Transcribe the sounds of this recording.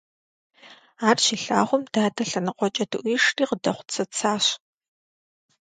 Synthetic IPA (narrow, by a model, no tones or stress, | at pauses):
aːrʃiːɬa̰ːʁʷʊmdaːdɐɬɐnɨqʷʼɔt͡ʃʼɐdɨʔʷiːʂriːqədɐχʷʊ̥t͡sʰɐt͡sʰaːɕ